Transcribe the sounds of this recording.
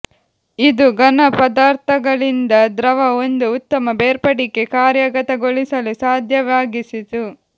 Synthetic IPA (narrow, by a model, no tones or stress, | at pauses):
id̪uɡɐnɐpɐd̪aːɾt̪ʰɐɡɐɭind̪ɐd̪ɾɐʋɐond̪uːt̪ːɐmɐbeːɾpɐɽikːe̞kaːɾjɐɡɐt̪ɐɡoɭisɐlusaːd̪ʱjɐʋjaːɡisit̪u